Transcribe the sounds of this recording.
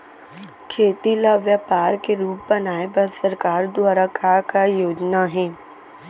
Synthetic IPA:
kʰeːt̪ilaʋjapaːɾkeɾuːp̚bɐnaːebɐɾsəɾkaːɾd̪waːɾakakajoːd͡ʒnaɦɛ̃ː

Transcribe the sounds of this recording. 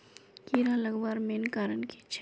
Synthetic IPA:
kiɾalɐɡʋaːɾmeːnkaːɾənki̥t͡ʃʰ

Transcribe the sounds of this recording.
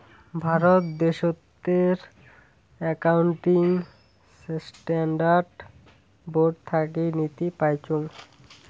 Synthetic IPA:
bʱaɾot̪d̪eʃot̪ːeɾ | ɛkawɳʈiŋ | ssʈɛɳɖaɾɖ | boɖ̚t̪ʰakinit̪ipajt͡ɕʰoŋ

